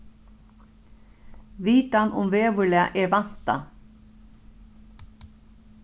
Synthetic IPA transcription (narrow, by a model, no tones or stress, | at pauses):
viːt̪anʔʊ̰mveːvʏɾlɛa̰ʔɛɾvan̥t̪a̰